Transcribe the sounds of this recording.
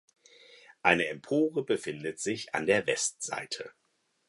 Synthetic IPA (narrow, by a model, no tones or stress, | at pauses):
ʔaɪnəɛmpʰoːʁəbəfɪndətz̥ɪça̰ndeːɐvɛstz̥a̰ɪtʰə